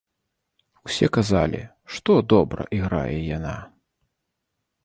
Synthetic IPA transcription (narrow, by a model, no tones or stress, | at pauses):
wsʲɛkazalʲḭ | ʂt̪ɔd̪ɔbɾɐ̰ʔiɣɾa̰jɛjana̰